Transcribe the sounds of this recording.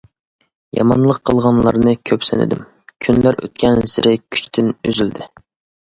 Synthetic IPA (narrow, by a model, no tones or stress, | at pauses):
jɑ̰mɑnlˠəqʰːəlˠʁɑnlˠɑ̰ɾnɨkʲʰøpsɪnɪ̰d̪ɪ̰m | kʲʰynlæɾʔø̰t̪̚kʲʰɛnsɪɾɪkʲʰy̥t͡ʃt̪ʰɪnøzyld̪ɪ